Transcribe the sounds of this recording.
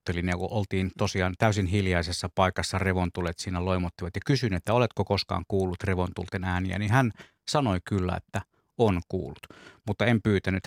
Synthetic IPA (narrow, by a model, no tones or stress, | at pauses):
t̪ːelinekuʔolt̪iːnt̪osiɑːnt̪æˑysinhiljɑisesːɑpɑˑikɑsːɑreʋont̪ulet̪siːnæloˑimot̪ːiʋɑt̪jɑkysynyet̪ːæolet̪kokoskɑ̰ːŋkuːlːut̪reʋont̪ult̪enæːniæ̰nihæn | sɑnoikylːæ̰ḛt̪ːæ | onkṵːlːut̪mut̪ːɑempyːt̪ænyt̪